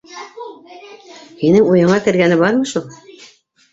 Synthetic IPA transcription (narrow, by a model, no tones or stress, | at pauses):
hinɘŋujɤ̆ɴɑkɘ̆ɾɡænɘbɑɾmɤ̆ʃulˠ